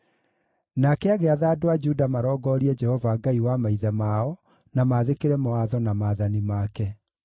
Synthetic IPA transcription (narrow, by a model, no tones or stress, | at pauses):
nakɛaɣeaðaːdoad͡ʒudamaɾɔːɡɔɾiɛd͡ʒɛhɔvaɡaiwamaiðɛmaɔ | namaːðekeɾɛmɔaðɔnamaːðanimaːkɛ